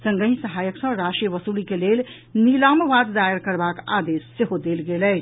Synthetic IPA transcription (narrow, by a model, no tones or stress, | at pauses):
sə̃ŋɡəɦĩsəɦajəksə̃ɾaʃʈijəʋəsulikelel | nilamʋad̪d̪aəɾkəɾbaka̰d̪esːeɦod̪elɡelɛ